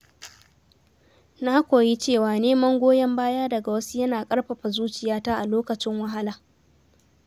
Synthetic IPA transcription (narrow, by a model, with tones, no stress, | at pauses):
na˦kʷoː˨ji˦t͡ʃeː˦˨waː˨neː˦mɐ˦ŋɡʷoː˦jɐ˦mbaː˦jaː˦dɐ˨ɡa˨wɐ˦su˦jɐ˦naː˨kʼɐ˦ɽɸɐ˨ɸa˨zuː˦t͡ʃɪ˨jaː˦taː˦ʔa˨loː˦kɐ˨t͡ʃɪ˦ŋwɐ˦ɦa˦laː˨